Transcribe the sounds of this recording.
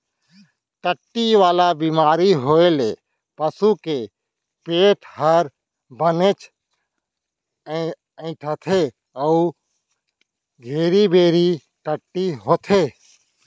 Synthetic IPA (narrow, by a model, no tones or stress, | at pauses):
ʈəʈːiʋaːlabiːmaːɾiɦoːele | pəsuke | peːʈʰhəɾ | bənet͡ʃ | ə̃ɪ̃ʈ̪ʰət̪ʰe | əu | ɡʱeːɾibeːɾi | ʈəʈːiɦoːt̪ʰeː